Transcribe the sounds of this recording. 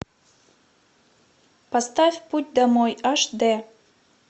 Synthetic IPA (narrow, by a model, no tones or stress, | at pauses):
pɐst̪afʲput̚ʲd̪amojaʂd̪e